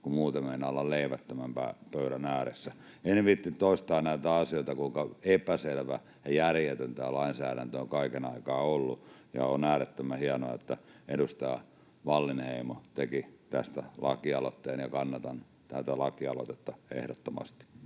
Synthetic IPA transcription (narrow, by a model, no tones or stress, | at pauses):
kumuːt̪emmenɑolːɑlleiʋæt̪ːømæmpæ̰ːpøyɾænæːɾesːæ | enʋit̪ːit̪ːoist̪ɑːnæit̪æɑsioit̪ɑkuiŋkɑepæselʋæ | jɑjærjet̪ønt̪æːlɑinsæːɾænt̪øoŋkɑikenɑikɑːolːujɑ̰onæːɾet̪ːømæhiɑnoɑet̪ːæeɾust̪ɑː | ʋɑlːinheimot̪ekit̪æst̪ælɑ̰kiɑlot̪ːeːnjɑkɑnːɑt̪ɑn | t̪æt̪ælɑkiɑlo̰t̪et̪ːɑḛhɾot̪ːomɑ̰st̪i̥